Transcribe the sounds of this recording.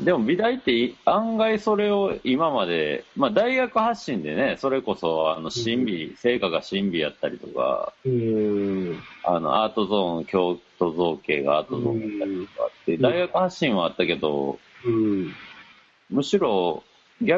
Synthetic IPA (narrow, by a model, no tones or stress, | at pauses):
d̪e̞mo̞bʲid̪ait̪ːe̞iãŋɡaiso̞ɾe̞o̞imamad̪e̞maːd̪aiɡakɯ̟haɕːĩnd̪e̞ne̞so̞ɾe̞ko̞so̞ano̞ɕĩmbʲise̞ːkaɡaɕĩmbʲijat̪ːaɾʲit̪o̞̰ka̰ | ano̞̰ʔaːt̪o̞zõ̞ŋkʲo̞ːt̪o̞zo̞ːke̞̰ːɡa̰aːt̪o̞zõ̞̰nat̪ːaɾʲit̪o̞ka̰t̪ːed̪aiɡakɯ̟haɕːĩɰ̃βaːt̪ːake̞d̪o̞̰ | mɯ̟ɕiɾo̞ | ɡʲa